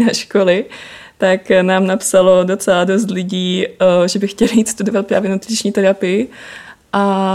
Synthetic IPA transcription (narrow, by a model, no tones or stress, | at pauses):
naʃkolɪ | t̪aknaːmnapsalo̞do̞t͡sɛlado̞s̬t̪lɪɟiːʒɛbɪxcɛlɪjiːt̪st̪udo̞vat̪̚pɾaːvjɛnut̪ɾɪt͡ʃɲiːt̪ɛɾapɪjɪʔa